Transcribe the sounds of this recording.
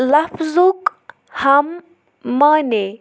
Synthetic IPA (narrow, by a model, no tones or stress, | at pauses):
lɐfzuk | hɐmː | ane